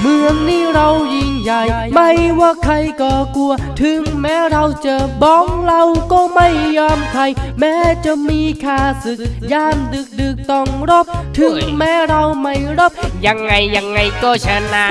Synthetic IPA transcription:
mɯ˧əŋniː˥˩ɾa˧wji˧ŋja˨˩jma˥˩jwaː˧˩kʰɾa˧jkɔː˨˩ku˧ɐt̪ʰɯ˨˧˦ŋmɛː˦˥ɾa˧wt͡ɕaɤː˧bɔː˧˥ŋɾa˧wkɔː˧˥˩ma˥˩jːɔː˧mkʰa˧jmɛː˦˥t͡ɕa˨˩miː˧kʰaː˧˩sɯ˨˩k̚jaː˧˩mdɯ˨˩k̚dɯː˨˩k̚t̪ɔ˧˩ŋɾo˦˥˩p̚t̪ʰɯ˨˦ŋmɛː˦˥ɾa˧wma˥˩jɾo˦˥˩p̚ja˨˧ŋːa˧jːa˧ŋːa˧jkɔː˧˩t͡ɕʰaː˧naː˧

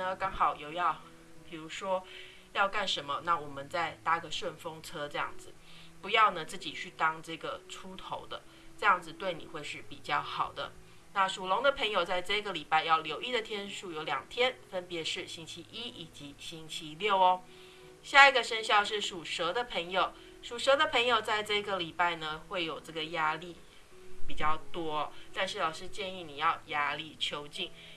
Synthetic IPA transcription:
nə˧kɑ˥ŋxɑ˨˩ʊjo˥˧ʊjɑ˥˩ʊ | pi˨˩ɻu˧˥ʂwɔ˥ | jɑ˥˧ʊka˥˩nʂə˧˥nmə˧na˥˩wɔ˨˩mə˨˦nt͡sa˥˧ɪt̪a˥˩ɡə˨ʂwə˥˩nfo˥ŋt͡sʰɤ˥ʈ͡ʂɤ˧jɑ̰˥˩ŋd͡zɹ̩˨˩pu˨˧˥jɑ˥˩ʊnə˩t͡sɹ̩˥˩t͡ɕi˨˩t͡ɕʰy˥˩t̪ɑ˥ŋʈ͡ʂɤ˥˩ɡə˩ʈ͡ʂʰu˥t̪ʰo˧˥ʊd̪ə˧ | ʈ͡ʂɤ˥˧jɑ˥˩ŋd͡z̩˨t̪we˥˩ɪnḭ˨˩xwe˥˧ɪʂɻ̩˥˩pi˨˩t͡ɕjɑ˥˩ʊxɑ˨˩ʊd̪ə̰˦ | na˥˩ʂu˨˩lʊ˧˥ŋd̪ə˧pʰə˧˥ŋjo˨˩ʊt͡sa˥˧ɪʈ͡ʂɤ˥˧i˥ɡə˩˨li˨˩pa˥˧ɪjɑ˥˩ʊljo˧˥ʊi˥˩d̪ə˨˩t̪ʰjɛ˥nʂu˥˩jo˧˥ʊljɑ̰˨˩ŋt̪ʰjɛ˥nfə˥npjɛ˨˧˥ʂɻ̩˥˩ɕi˥nt͡ɕʰi˧˥ʔi˥i˨˩t͡ɕi˧˥ɕi˥ŋt͡ɕʰi˧˥ljo˥˩ʊɔ˦ | ɕja˥˩i˧˥ɡə˩ʂə˥nɕjɑ˥˧ʊʂɻ̩˥˩ʂu˨˩ʂɤ˧˥d̪ə˨pʰə˧˥ŋjo˨˩ʊ | ʂu˨˩ʂɤ˧˥d̪ə˧pʰə˧˥ŋjo˨˩ʊt͡sa˥˧ɪʈ͡ʂɤ˥˩i˧˥ɡə˨˩li˨˩pa˥˩ɪnə˩xwe˥˩ɪjo˨˩ʊʈ͡ʂɤ˥˩ɡə˩ja˥li˥˩ | pi˨˩t͡ɕjɑ˥˩ʊt̪wɔ˥t̪a˥˧nʂɻ̩˥˩lɑ˨˩ʊʂɻ̩˥t͡ɕjɛ˥˧ni˥˩ni˨˩jɑ˥˩ʊja˥li˥˩t͡ɕʰjo˥ʊt͡ɕi˥˩ŋ

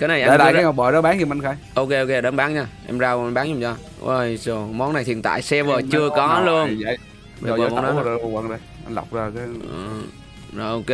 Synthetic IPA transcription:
kaː˨˦na˨˩jʔɗ̰laː˨˧˨ŋɔ˨˩ɓəː˨˩zɔ˨˦˥ɓaː˨˦nɲi˨˧˩m˨˧nxaː˧˦jʔo˧ke˧ʔo˧wke˧ɗə˨˦nɓaː˨˦nɲaː˧ʔɛ˧mzaː˧wmɓaː˨˦ʊ˨˩ŋ͡mt͡ɕɔ˧˩ | ʔə̰˧˩jzo˨˩mɔ˨˦nːa˨˩jt̪ʰi˨˩nt̪a̰ː˧˨jsɛ˧vəː˨˩t͡ɕɨ˧əkɔ˨˦lu˧ən˧˨˩ | əː˨˦˩nɔ˨˦˧wə̰˧˩˨ŋɗə˧˩jʔa˧ŋɗa̰˨˩wk͡p̚zaː˨˩kaː˨˦ə˨˩ | zɔ˧˩ʔo˧ke˧

